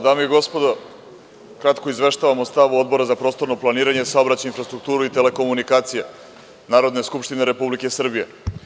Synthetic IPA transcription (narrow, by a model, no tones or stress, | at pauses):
d̪aːmiiɡo̞spo̞d̪o | kɾat̪koizʋe̞ʃt̪aʋamo̞st̪aʋuo̞d̪̚bo̞ɾazapɾost̪o̞ɾno̞plˠaniːɾaɲe̞saobɾat͡ɕainfɾast̪ɾuk̚t̪uːɾuit̪e̞le̞ko̞munikaːt̪sije | naːɾo̞d̪ne̞skupʃt̪ineɾe̞publike̞sr̩bije